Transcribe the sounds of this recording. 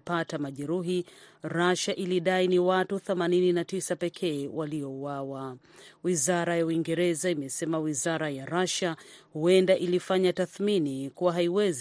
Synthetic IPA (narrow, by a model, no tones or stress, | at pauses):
patamaʄɛɾuɦiɾaʃaʔiliɗainiwatuθɛmanininatisapɛkʰɛːwaliɔuwawa | wizaɾajauwiŋɡɛɾɛzaimɛsɛmawizaɾajaɾaʃahuɛndaʔilifaɲataθminikuwaɦaiwɛz